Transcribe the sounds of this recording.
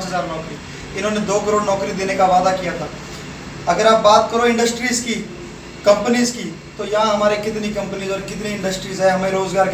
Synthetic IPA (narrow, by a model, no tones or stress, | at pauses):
ãt͡ʃɦəzaːɾnɔːkɾiː | ɪnõːned̪oːkəɾoːɖnɔːkɾiːd̪eːneːkaʋaːd̪aːkijaːt̪ʰaː | əɡəɾaːp̚baːt̪̚kəɾoːɪ̃ɳɖəsʈɾiːzkiː | kəmpəniːzkiː | t̪oːjãːɦəmaːɾekɪt̪niːkə̃mpəniːzɔːɾkɪt̪niːɪ̃ɳɖəsʈɾiːzɛːɦəmẽːɾoːzɡaːɾk